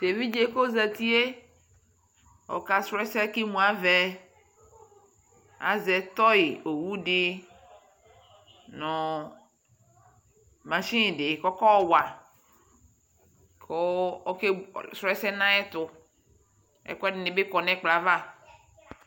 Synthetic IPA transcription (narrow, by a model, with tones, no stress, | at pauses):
t̪e˨vi˦d͡ʒe˨˦ko˦za˨t̪i˦e˦ | ɔ̰˨ka˨sɾɛ˦sɛ˦ki˦mũ˨a˨vɛ˦ | a̰˨zɛ˨t̪ɔ˦jɪ˨o˨wu˦dɪ˦ | nɔ̃˨ | mã˨ʃĩ˦˨dɪ˨kɔ˦kɔ˦wa˨ | kʰo˦o˦ke˦sɾɛ˦sɛ˦nã˦ɛ˦t̪ʊ˨ | ɛ̰˨kɛ˦dɪ˨nɪ̃˨be˦kɔ˨nɛ̃˦k͡pla˨va˦